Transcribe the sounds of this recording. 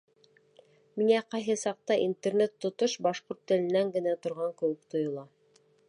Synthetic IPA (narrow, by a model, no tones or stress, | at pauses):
miŋæqɑjɦɤsɑq̚t̪ɑʔint̪ernet̪ːŏt̪oʃbɑʃqoɾt̪ːɘ̆lɘ̆nːæŋɡɘ̆næt̪ŏɾʁɑŋkɘ̆wɘkt̪ŏjŏlˠɑ